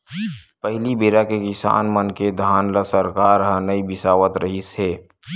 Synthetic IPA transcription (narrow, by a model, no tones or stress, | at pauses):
pəɦlibeːɾakekɪsa̰ːnmənked̪ʱaːnləsəɾkaːɾɦə̃nəibɪsaːʋət̪ɾəɦisɦeː